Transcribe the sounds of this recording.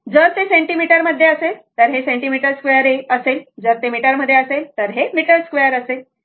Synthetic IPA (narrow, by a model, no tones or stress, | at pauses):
d͡zəɾt̪esẽɳʈimiʈəɾməd̪ʱːjeəset̪əɾɦesẽɳʈimiʈəɾskʋejəɾeəseld͡zəɾt̪emiʈəɾməd̪ʱːjeəselt̪əɾɦemiʈəɾskʋujəɾəse